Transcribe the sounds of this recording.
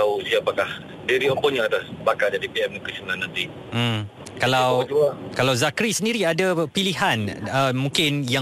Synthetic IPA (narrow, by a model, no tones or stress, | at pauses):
ausiapakah | diɾiɔmpɔɲãat̪asbakald͡ʒadipiɛməkəsonanãnt̪i | kalawd͡ʒuakalawzakɾisəndiɾiadapiliɦanəmũŋkɪnja